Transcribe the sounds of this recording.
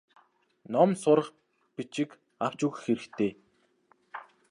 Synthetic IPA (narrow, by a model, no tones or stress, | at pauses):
nɔmsʊɾə̆χ | pit͡ɕɪ̆k | aw̥t͡ɕuɣ̆xeɾɘ̆kt̪ʰeː